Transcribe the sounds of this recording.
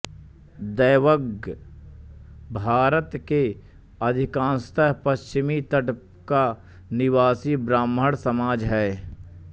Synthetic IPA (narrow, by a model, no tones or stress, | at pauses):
d̪əːʋəɡ | bʱaːɾət̪ke | ɐd̪ʱɪkãːnst̪əɦpəʃt͡ʃɪmit̪əʈp | ka | nɪwaːsibɾaːmɦəɽsəmaːd͡ʒɦɛː